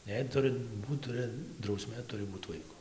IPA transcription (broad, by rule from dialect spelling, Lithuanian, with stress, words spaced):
jɛɪ ˈtʊrɨ ˈbuːt ˈtʊrɨ drɐʊˈsʲmʲeː ˈtʊrʲɪ ˈbuːt ˈʋɐɪkʊ